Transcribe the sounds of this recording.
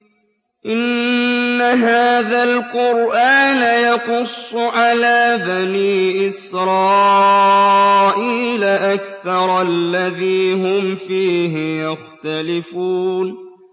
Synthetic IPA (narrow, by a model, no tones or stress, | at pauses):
ʔɪnː | aɦaːðalqʊɾʔaːnajɑqʊsˤːʊʕalaːbaniːʔɪsɾˤɑː | ʔiːlaʔakθɑɾˤlːaðiːɦʊmfiːɦɪjaxt̪alɪfuːn